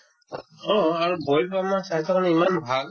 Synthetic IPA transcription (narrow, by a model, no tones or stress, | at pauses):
ɔaɹubojpamasajtʰɔkʰanimanbʱaɡ